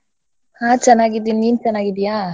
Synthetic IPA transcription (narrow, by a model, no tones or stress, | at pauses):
hat͡ʃanaɡidinint͡ʃanaɡidia